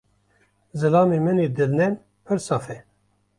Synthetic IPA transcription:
zɨlɑːmeːmɨneːd̪ɨɾnɛn | pʰɨɾsɑːfɛ

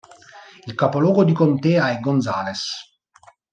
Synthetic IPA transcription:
ilkapolɔːɡod̪ikont̪ɛːaɛɡːonzaːles

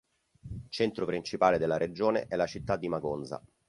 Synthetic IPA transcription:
lt͡ʃɛnt̪ɾopɾint͡ʃipaːled̪elːaɾʔed͡ʒoːnḛʔɛlːat͡ʃit̪ːad̪ːimaɡonza̰

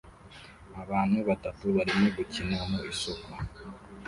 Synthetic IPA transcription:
aβaːn̥huβatatuβaɾimweβucinamoisoka

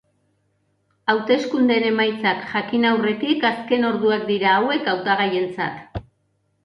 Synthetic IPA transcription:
awt̪e̞skund̪e̞ne̞majt͡sakʝakinawre̞t̪ikaske̞no̞ɾðuakd̪iɾaːwe̞kawt̪aɣ̞aje̞nt͡sa̰t̪

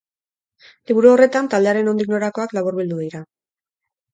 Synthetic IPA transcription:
liβ̞uɾuo̞re̞t̪ant̪ald̪e̞aɾe̞no̞nd̪ikno̞ɾako̞aklaβuɾβild̪uðiɾa

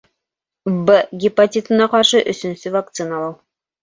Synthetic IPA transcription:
bəɡʲɪpɐtʲit̪ɤ̆nɑqɑɾʃɤʔɵ̆sɵ̆nsɵvak̚t̪sɨnɑlˠɤw

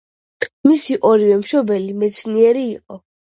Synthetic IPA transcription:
misiʔɔɾivɛmʃɔbɛlimɛt̪sʰniɛɾiːqʼɔ

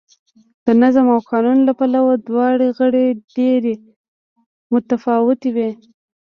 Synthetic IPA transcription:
d̪̥ənazamawkɑnunlapalawod̪wɑɽeɣəɽeɖeɾe | mʊt̪afɑwɪt̪ewe

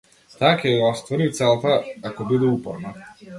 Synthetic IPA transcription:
t̪akʲɛɔst̪vɔɾit̪sɛlˠt̪aakɔbid̪ɛupɔɾna

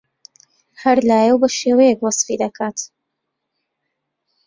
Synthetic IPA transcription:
hɐɾlaːjɛwbɐʃeːwɐjekwɑsˤfid̪ɐkʰaːt̪

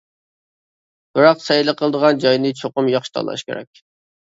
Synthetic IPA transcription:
b̥ɨɾɑqsɛjlˠəqʰəlˠd̪əʁɑnd͡ʒɑjnɨt͡ʃʰoqʊmjɑχʃi̥t̪ʰɑ̰lˠɑ̰ʃkʲʰḛɾɛ̰k̚ʲ

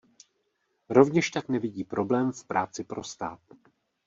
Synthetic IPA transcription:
ɾo̞vɲɛʃt̪aknɛvɪɟiːpɾo̞blɛːmfpɾaːt͡sɪpɾo̞st̪a̰ːt̪

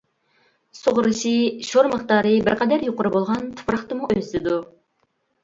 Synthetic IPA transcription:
sʊʁʊɾɨʃiʃoɾməχt̪ɑːɾɨbɪɾqʰɛd̪æɾjoqʊɾɨbolˠʁɑnt̪ʰu̥pɾɑχt̪ɨmuʔøsɪd̪u

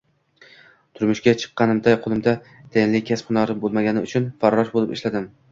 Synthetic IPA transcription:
t̪ʰʊɾmʊʃkʲat͡ʃʰɨ̥qːɑnɪmd̪aqʰʊlˠɪmd̪a | t̪ʰajnlɪkʲʰaspχʊnɒɾɪbolˠmaɡʲanɪʊt͡ʃʰʊnfaɾwɒʃbolˠɪpɪʃlad̪ɪm

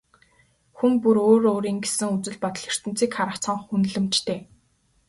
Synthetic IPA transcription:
xuŋpuɾoːɾoːɾiːŋɡesɘ̆ŋut͡sɘ̆ɮpɔt̪ɞ̆ɮĭr̥t̪ɘ̆n̥t͡siːkχaɾə̆kʰt͡sʰɔɴχunɮɘ̆mt͡ɕt̪ʰeː

